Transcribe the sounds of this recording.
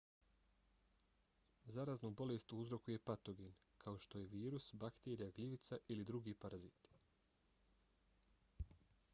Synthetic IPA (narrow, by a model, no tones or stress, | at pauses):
zaɾaːznobo̞lest̪uuzɾo̞kuje̞pat̪o̞ɡin | kʰao̞ʃt̪o̞je̞ʋiːɾusbakt̪eːɾijaɡliʋit̪saʔilid̪ɾuɡiːpaɾazit̪i̥